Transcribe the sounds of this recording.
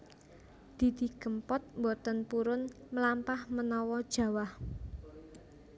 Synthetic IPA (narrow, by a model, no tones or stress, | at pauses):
d̪̥i̤d̪̥i̤kəmpɔt̪̚mbot̪ənpuɾʊnməlampahmənɔwɔd̥ʒ̥ä̤wah